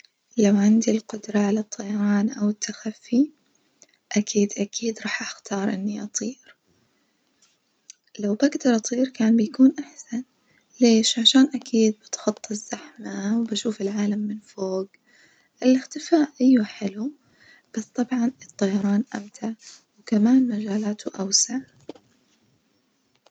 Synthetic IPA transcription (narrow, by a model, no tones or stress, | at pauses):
lawʕɪnd̪ilqʊd̪ɾˤɑʕalat̪ˤːɑjɑɾˤɑːnʔawɪt̪ʰːaxafːi | ʔakʰiːd̪ʔakʰiːd̪ɾˤɑːħʔaxt̪ʰɑːɾˤʔɪnːiʔɑt̪ˤiːɾ | lawbaɡd̪ɑɾˤʔɑt̪ˤiːɾkaːnbɪjakuːnʔaħsan | leːʃʕaʃaːnʔakʰiːd̪̚bɪt̪xɑt̪ˤːɪzːaħmawbaʃuːfɪlʕaːlamːɪnfoːɡ | ʔɪlɪxt̪ɪfaːʔʔɪjːaħɪlu | b̥ast̪ˤɑbʕɑnɨt̪ˤːɑjɑɾˤɑːnʔa̰mt̪ʰaʕwkamaːnmad͡ʒaːlaːt̪ʰʊʔawsaʕ